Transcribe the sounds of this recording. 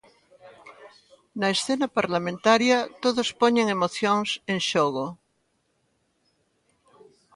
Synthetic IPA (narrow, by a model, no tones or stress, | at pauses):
naesθenapaɾlamẽnt̪aɾjat̪oðospoɲeŋemoθjoŋsẽnʃoɣo